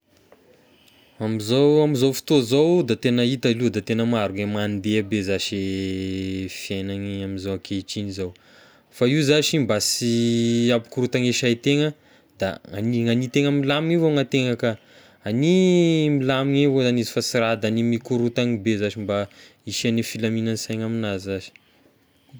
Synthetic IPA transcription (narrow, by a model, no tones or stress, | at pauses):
amizowamizowfi̥t̪ozowd̪at̪enəit̪alud̪at̪enəmaɾuŋemand̪eabezaʃe | fjenaŋiamizowakʰeit͡ʃinizaw | faiwzaʃimbasiapi̥kuɾut̪aŋeʃajt̪eŋə | d̪a̰a̰niŋanit̪eŋəmilamiŋivoŋat̪eŋakə | animilamiŋevozanizi̥fasiɾad̪animikuɾut̪aŋibezaʃimba | iʃanifilaminansajŋaminazizaʃi̥